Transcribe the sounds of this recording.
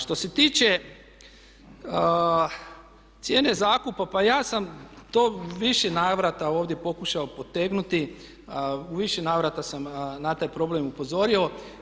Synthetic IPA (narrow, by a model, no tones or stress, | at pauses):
ʃt̪o̞se̞t̪iːt͡ʃe̞ | t̪sʲje̞ːne̞zaːkupapajaːsamt̪oːʋiʃenaːʋɾat̪ao̞ːʋd̪je̞po̞kuʃaopo̞t̪eɡnut̪i | uʋiʃenaːʋɾat̪asamnat̪aːjpɾo̞ble̞mupo̞zo̞ɾio̞